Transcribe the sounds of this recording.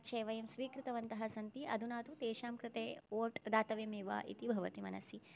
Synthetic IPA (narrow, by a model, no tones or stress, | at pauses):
t͡ʃʰeːʋɐjɐmsʋiːkɾɪt̪ɐʋɐnt̪ɐɦɐsɐnt̪iʔɐ̰d̪ʱunaːt̪ut̪eːʃaːmkɾɪt̪eːoːʈd̪aːt̪ɐʋemeːʋa̰ːʔḭt̪ibʱɐʋɐt̪imɐ̰nɐ̰si